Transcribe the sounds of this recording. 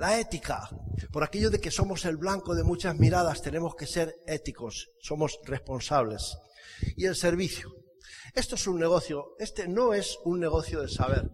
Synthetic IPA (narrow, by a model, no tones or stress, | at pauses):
lae̞t̪ikapo̞ɾake̞ʎoðe̞ke̞so̞mo̞se̞lβlaŋkoðe̞mut͡ʃazmiɾað̞ast̪e̞ne̞mo̞ske̞se̞ɾe̞t̪iko̞sːo̞mo̞sre̞spo̞nsaβ̞le̞sie̞lse̞ɾβ̞iθjo | e̞st̪oesunːe̞ɣ̞oθjoe̞st̪e̞no̞e̞sunːe̞ɣ̞o̞θjoðesaβ̞e̞ɾ